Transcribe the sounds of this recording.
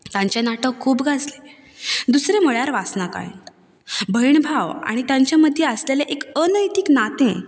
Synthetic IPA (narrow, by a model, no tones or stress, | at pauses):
t̪ãɲt͡ɕenaʈʰəkʰuːbɡʱad͡zle | d̪usɾeməɭjaɾʋasnaka̰ḭnt̪ | bʱəjɳbʱaʋa̰ɽ̃it̪jãɲt͡ɕjaməd̪ʱːjeəsleleʔekənəjt̪iknat̪ẽ